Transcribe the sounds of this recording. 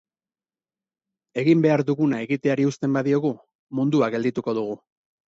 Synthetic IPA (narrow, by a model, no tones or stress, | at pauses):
e̞ɣimbe̞aɾðuɣunae̞ɣit̪e̞aɾiust̪e̞mbaðio̞ɣu | mund̪uaɡe̞ld̪it̪uko̞ð̞uɣ̞u